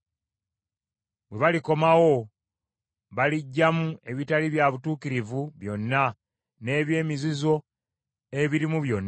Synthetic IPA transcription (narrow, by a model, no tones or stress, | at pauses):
bwe̞βaliko̞mawo̞ | βaliɟːamue̞βitaliβjaβutuːkiɾivuβjo̞nːa | ne̞ːβje̞ːmizizo̞ | e̞βiɾimuβjo̞nː